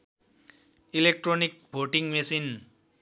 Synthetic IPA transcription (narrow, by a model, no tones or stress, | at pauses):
ilek̚ʈronik̚bʱoʈiŋmesin